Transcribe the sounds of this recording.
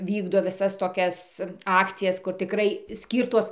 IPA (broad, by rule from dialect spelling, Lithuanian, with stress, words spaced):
ˈʋʲiːɡdoː ʋʲɪˈsɐs toːˈkʲɛs ˈɑːkt͡sʲɪjɛs kʊr tʲɪˈkrɐɪ ˈsʲkʲiːrtoːs